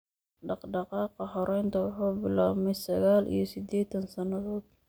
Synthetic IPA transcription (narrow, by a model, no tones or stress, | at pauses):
ɖɑqɖɑqɑːqɑɦɔɾɛjnt̪ʰɐwʊħuːbɪla̰ːmɛjsɐɣaːlʔḭjɞsɪd̪ɛːt̪ʰɐnsɐnɐðɔːd̪̚